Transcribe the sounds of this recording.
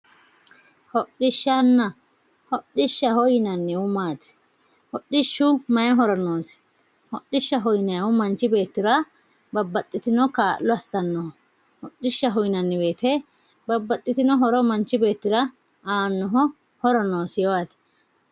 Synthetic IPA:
hɔɗːɪʃːanːɐ | hɔɗːɪʃːɐhɔjɪnɐnːɛʊmaːt̪ɪ̥ | hɔɗːɪʃːʊmɐjɛɦɔɾɔnoːsɪ̥ | hɔɗːɪʃːɐɦɔjnɐjɐwʊmɐnt͡ʃːɪbe̞ːt̪ːɪɾɐ | bɐbːɐt̪ʼːɪt̪ɪnɔkaːʔlːɔɐsːɐnːɔhɔ | hɔɗːɪʃːɐɦɔjnɐnːɪbe̞ːt̪ʰɛ | bɐbːɐt̪ʼːɪt̪ɪnɔɦɔɾɔmɐnt͡ʃːɪbe̞ːt̪ːɪɾɐ | aːnːɔɦɔ | hɔɾɔno̞ːsjɛwaːt̪ɪ̥

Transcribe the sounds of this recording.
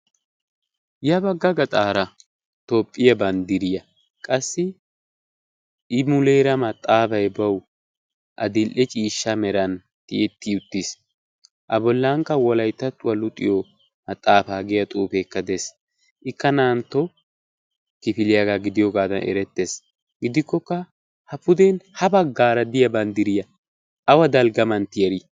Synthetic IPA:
jɐbɐɡːɐɡɐt̪ʼaːɾɐ | t̪oːpʼːɪjɐbɐnd̪ɪɾɪjɐ | kʼɐsːɪ | ɪmʊleːɾɐmɐt̪ʼːaːpɐjbɐw | ʔɐ̰d̪ɪlʔɛt͡ʃʼiːʃːɐmɛɾɐn | t̪ɪɛt̪ːɪʊt̪ːis | ʔɐbɔlːaːŋkːɐwɔlɐjt̪ːɐt̪ːʊwɐlʊt̪ʼːɪjɔ | mɐt̪ʼaːfaːɡɪjɐt̪ʼuːpekːɐd̪eːs | ʔɪkːɐnaːnt̪ːɔ | kɪfɪlɪjaɡaɡɪd̪ɪjɔɡaːd̪ɐnʔɛ̰ɾɛt̪ːe̞ːs | ɡɪd̪ɪkːɔkːɐ | hɐpʊd̪ɛnhɐbɐɡːaːɾɐd̪ɪjɐbɐnd̪ɪɾɪjɐ | ɐwɐd̪ɐlɡɐmɐnt̪ɪjɐɾi

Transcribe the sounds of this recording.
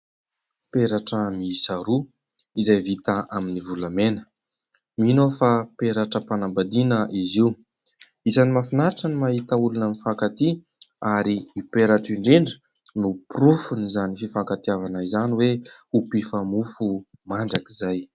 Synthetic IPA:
peɾaʈ͡ʂəmiisaɾu | izajvit̪aʔaminivulamenə̥ | minofapeɾaʈ͡ʂəpanambad̪inəʔiziu | izanimafinaʈ͡ʂənimaɦit̪əulunənifakat̪i | aɾiːpeɾaʈ͡ʂiɳɖ͡ʐiɳɖ͡ʐi̥ | nupurufunizanififakat̪iavanaizaniweupifamufu | maɳɖ͡ʐakizaj

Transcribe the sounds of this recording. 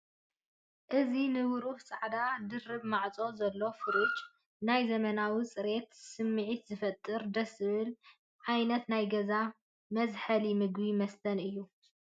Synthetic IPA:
ʔɨzinɨwʊɾuħsʼaʕd̪ad̪ɨrːɨβmaʕt͡sʼo̞zɐlːo̞fɨɾit͡ʃʼ | najzɐmɐnawit͡sʼɨɾe̞t̪sɨmːɨʕit̪zɨfɐt̪ʼːɨɾd̪ɐsɨβɨl | ʕajnɐt̪najɡɐza | mɐzħɐlimɨɡbimɐst̪ʰɐnɨjːu

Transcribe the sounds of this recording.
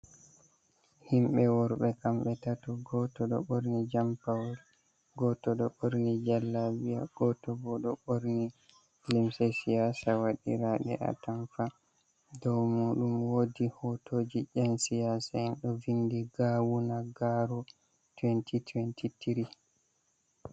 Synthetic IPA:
himɓɛwɔɾɓɛkamɓɛtatɔɡɔtɔɗɔ̰ɓoɾnid͡ʒampawɾi | ɡɔtɔɗɔɓoɾnid͡ʒalːabija̰ɡ̥ɔtɔbɔɗɔɓoɾni | limsɛsijasawaɗḭɾaɗɛ̰ʔa̰tamfa | dɔwmuːɗumwodihɔtoːd͡ʒiʔɛnsijaːsaɛnɗɔvindiɡaːwunaɡaɾɔ | twɛntʰitwɛntitiɾi

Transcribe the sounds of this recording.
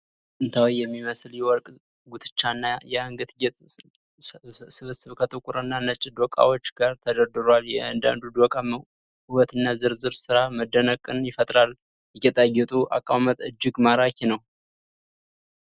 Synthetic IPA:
ʔɨnt̪ʰawijɛmːiməsljɛwɔɾkʼ | ɡut̪ʰɨ̥t͡ʃːanːajɛaŋɡɨt̪ɡɛt̪ | sɨβɨsɨβkʰət̪ʼɨkʼuɾɨnːanət͡ʃʼid̪okʼa̰wot͡ʃːɡaɾt̪ʰəd̪əɾd̪ɨɾwaljɛand̪a̰nd̪ud̪okʼam | ɨwɔt̪ʰɨnːazɨɾzɨɾsɨɾaməd̪ːənəkʼːɨnjɪfət̪ʼɾal | jɛkət̪ʼajːɛt̪ʼuʔa̰kʼamət̪ʼɨd͡ʒːɪɡmaɾakʰenəw

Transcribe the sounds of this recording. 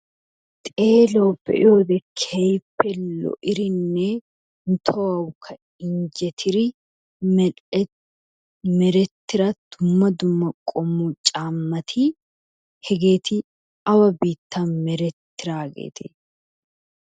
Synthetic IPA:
t̪ʼeːloːbːɛ̰ʔɪoːd̪ɛkʰɛjpːɛlːɔ̰ʔɪɾɪnːɛ | nt̪ʰoːɐwkʰɐ | ɪɲd͡ʒɛt̪ʰɪɾɪ | mɛ | mɛɾɛt̪ːɪɾad̪̥ʊmːɐd̪ʊmːɐkʼɔmːut͡ʃʼaːmːɐt̪ʰi | hɛɡe̞ːt̪ɪ | ʔɐwɐbiːt̪ːaːmɛɾɛt̪ːɪɾaːɡḛːt̪ʰḛː

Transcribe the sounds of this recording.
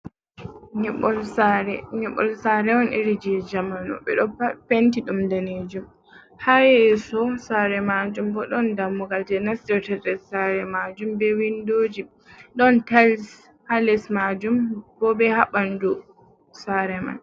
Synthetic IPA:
ɲɛɓɔlsaɾɛɲɛɓɔ̰lsaɾɛwɔnʔiɾid͡ʒiɛd͡ʒamanɔ̰ɓɛ̰ɗɔpentiɗumdaned͡ʒum | hajɛɛsɔsaɾɛmad͡ʒumbɔɗɔndamːuɡald͡ʒɛnastɛɾtɛdɛsaɾɛmad͡ʒumbɛwindoːd͡ʒi | ɗɔntals | halɛsmad͡ʒumbɔbɛhaɓandu | saɾɛma̰n

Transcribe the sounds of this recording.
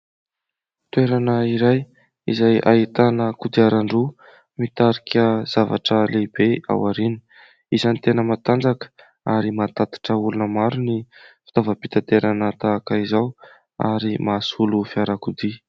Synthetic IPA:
t̪weɾanəiɾaj | izaja̰it̪anəkud̪iaɾaɳɖ͡ʐu | mit̪aɾikʰʲəz̥ava̰ʈ͡ʂəleb̥ea̰waɾini̥ | izanit̪enəmat̪and͡zakə̥ | aɾimat̪at̪i̥ʈ͡ʂəulunəmaɾunifi̥t̪avəpi̥t̪at̪eɾanət̪aːkəizaw | a̰ɾimasulufiaɾakud̪i

